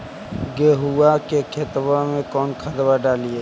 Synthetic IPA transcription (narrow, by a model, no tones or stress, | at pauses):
ɡeːɦuwakekʰet̪ʋamẽkɔːnkʰəd̪ʋaɖaːlie